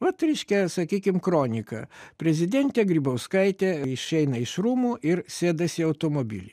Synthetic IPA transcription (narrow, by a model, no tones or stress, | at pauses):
ʋɐt̪ɾʲɛɪʃʲkʲɛsɐkʲiːkʲɪmkɾoːnʲɪkɐ̰pʲɾʲɛzʲɪd̪ʲɛnʲt̪ʲɛɡɾʲiːbɐʊskɐɪt̪ʲɛːɪʃɛɪnɐɪʃɾuːmuːʔɪɾsʲeːd̪ɐsʲɪɐʊt̪omoːbʲɪ̰lʲɪ